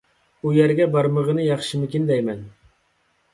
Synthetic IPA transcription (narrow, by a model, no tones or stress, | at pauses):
ujæɾɡʲɛbɑɾməʁənɨjɑχʃimɪkʲind̪ɛjmɛn